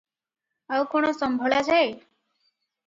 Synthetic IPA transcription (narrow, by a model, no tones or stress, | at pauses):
awkɔɽ̃ɔsɔmbʱɔɭad͡ʒae